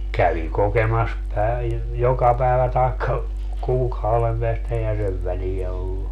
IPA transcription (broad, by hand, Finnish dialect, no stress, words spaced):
kæʋi kokemɑs pæiʋ jokɑ pæeʋæ tɑekːɑ kuːkɑuʋem peæstæ eihæ seʋ ʋælijæ olːu